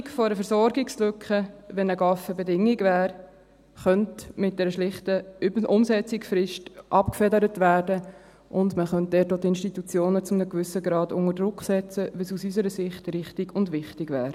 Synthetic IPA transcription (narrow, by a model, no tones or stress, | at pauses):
kfɔɾəfɛɾsɔɾɡɪkslʏkχəʋɛnəɡɑfəbɛdɪŋːɪɡvæːɾ | χœntmɪt̚d̥ɛɾəʃlɪχtəʊmsɛt͡sɪksfɾɪʃtʔɑpkfɛdəɾətvæːɾdə | ʔʊndməχœnt̚d̥ɛːtoːtɪnʃtitut͡sjoːnət͡sʊmnəkvʏsəɡɾɑːdʊ̰ŋəɾdɾʊksɛt͡səʋəsusysəɾəsɪχtɾɪχtɪɡʊndʋɪχtɪɡʋæːɾ